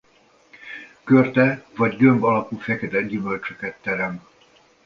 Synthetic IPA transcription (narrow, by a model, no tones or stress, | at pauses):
kørt̪ɛvɒɟɡømbɒlɒpufɛkɛd̪ɛlɟymø̞lt͡ʃøkɛt̪ːɛɾɛm